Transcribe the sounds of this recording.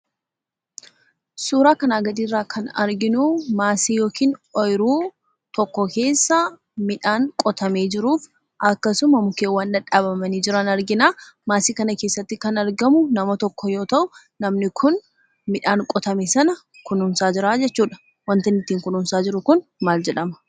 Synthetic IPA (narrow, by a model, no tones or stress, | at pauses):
suːɾaːkɐnaːɡɐd̪iːrːaːkʰɐnɐ̰ɾɡɪnumaːsiːjo̞ːkiːnɔjɾuː | t̪ɔkːɔke̞ːsːɐ | mɪᶑaːŋkʼɔt̪ʰɐmeːd͡ʒɪɾuːf | ʔɐkːɐsʊmɐmʊkeːwɐndɐᶑaːbɐmɐniːd͡ʒɪɾɐnɐɾɡɪnaːmaːsiːkɐnɐke̞ːsːɐt̪ːɪkɐnɐɾɡɐmʊnɐmɐt̪ɔkːɔjo̞ːt̪ɐʔʊ | nɐmnɪkʰʊn | mɪᶑaːŋkʼɔt̪ɐmeːsɐnɐ | kʊnʊmsaːd͡ʒɪɾaːd͡ʒɛt͡ʃːuːᶑɐ̥ | wɐnt̪ɐnɪt̪ːiːŋkʊnʊmsaːd͡ʒɪɾʊkʊnmaːld͡ʒɛᶑɐmɐ̥